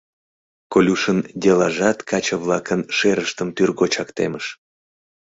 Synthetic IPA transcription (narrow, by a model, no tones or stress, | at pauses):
kolʲuʃənd̪ʲelɑʒɑt̪kʰɑt͡ɕəβlɑkənʃeɾəʃt̪əmt̪yrɣot͡ɕɑkt̪eməʃ